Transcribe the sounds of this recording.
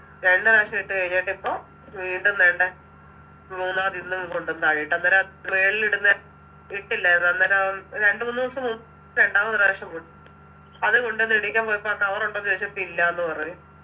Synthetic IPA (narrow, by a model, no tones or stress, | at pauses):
ɾe̞ɳɖɨɾaːʂɐiʈːɨkejiɲːeːʈːipːo̞ː | ʋiːɳɖumneɳɖe | muːnːaːɐðinːumkoɳɖunt̪aːɻijiʈːɐnːɐɾeʋeːɭiliɽunːɐ | iʈːilːɐenːɐnːɐɾɾe̞ɳɖɨmunːuusɐmu | ɾe̞ɳɖaːmɐnɨɾeːʂɐmkuʈː | ɐðɨkoɳɖenːɨiɽikʲːaːmpoːjipːokɐʋɐroɳɖont͡ɕeːt͡ɕːɨpːilːɐenːɨpɐrɐɲu